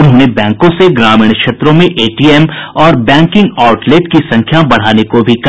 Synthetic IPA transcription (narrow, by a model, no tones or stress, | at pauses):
ʊnɦõːnebɛ̃ːŋkõseɡɾaːmɪːɳ̃kʃeːt̪ɾõmẽʔeːʈiːɛmɔːɾbɛ̃ːŋkɪ̃ŋɡaːʊʈleʈkisɐ̃ŋkʰjabɐɽ̤aːnekobʱik